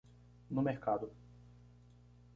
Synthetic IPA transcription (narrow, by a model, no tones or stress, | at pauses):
nʊmeɾkad̪ʊ